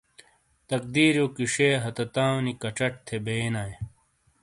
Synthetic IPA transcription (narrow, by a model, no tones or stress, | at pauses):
t̪ɐk̚d̪iːɾjoːkiʂeːɦɐt̪ɐt̪aːwnikɐʈ͡ʂɐʈ̚t̪ʰebeːnaːj